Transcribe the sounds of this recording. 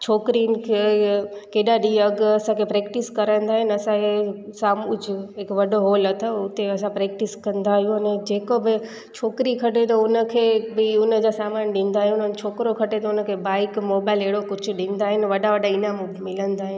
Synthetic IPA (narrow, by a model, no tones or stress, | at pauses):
t͡ɕʰoːkɾinkʰekeːɗaɗiɐɡɐsãkʰepɾeːkʈɪskɐɾə̃nd̪aːɦɪnɐsãesaːmʊd͡ʑʱɦekʋɐɖoɦoːlɐt̪ʰoʊt̪eɐsãpɾeːk̚ʈɪskɐ̃nd̪aːɦijũɐned͡ʑeːkobɪ | t͡ɕʰoːkɾikʰɐʈet̪̬ɐʊnəkʰebɪʊnəd͡ʑasaːmaːnɗɪ̃n̆d̪aːɦijũnənt͡ʃʰoːkɾokʰɐʈet̪ɐʊnəkʰebaːɪkmoːbaːɪleɦɽokʊt͡ʃʰʊɗɪ̃ːn̆d̪aːɦɪnʋɐɗaʋɐɗaɪnamũbɪmɪlə̃nd̪aːɦɪn